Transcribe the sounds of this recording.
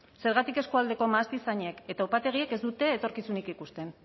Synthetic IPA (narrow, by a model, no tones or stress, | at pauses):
se̞ɾɣat̪ike̞skuald̪e̞ko̞maːst̪isaɲeke̞t̪aupat̪e̞ɣ̞ieke̞zd̪ut̪e̞ːt̪o̞ɾkisunikikust̪e̞n